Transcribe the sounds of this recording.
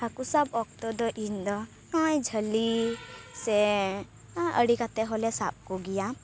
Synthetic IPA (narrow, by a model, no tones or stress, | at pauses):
hakusabɔk̚t̪ɔd̪ɔʔind̪ɔ | kãjd͡ʒʱəlisɛ | ə̰ɽikat̪ɛɦɔlɛsap̚kuɡija